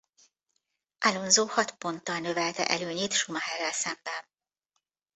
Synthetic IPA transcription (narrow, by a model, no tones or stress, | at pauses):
ʔalonzoːhɒt̪po̞nt̪ːɒlnø̞vɛlt̪ɛ̰ʔɛløːɲeːt̪ʃumɒhɛrːɛlsɛmbɛn